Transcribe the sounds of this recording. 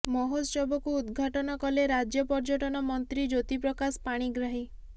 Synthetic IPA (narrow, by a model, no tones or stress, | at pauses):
mɔɦosɔbɔkuːd̪ɡʱaʈɔnɔkɔleɾad͡ʒjɔpɔɾd͡ʒɔʈɔnɔmɔnt̪ɾid͡ʒot̪ipɾɔkaspaɽ̃iɡɾaɦi